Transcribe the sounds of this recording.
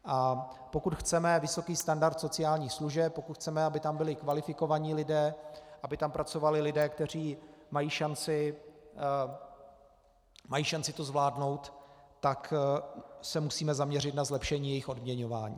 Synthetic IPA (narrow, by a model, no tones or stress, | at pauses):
ʔa | po̞kut̪xt͡sɛmɛvɪso̞kiːst̪andaɾt̪so̞t͡sɪaːlɲiːxsluʒɛp̚po̞kut̪xt͡sɛmɛabɪt̪ambɪlɪkvalɪfɪko̞vaɲiːlɪdɛːʔabɪt̪ampɾat͡so̞valɪlɪdɛːkt̪ɛr̝iːmajiːʃant͡sɪ | majiːʃant͡sɪt̪o̞zvlaːdno̞wt̪ːak | sɛmusiːmɛzamɲɛrɪt̪nazlɛpʃɛɲiːjɛjɪxo̞dmɲɛɲo̞va̰ːɲḭː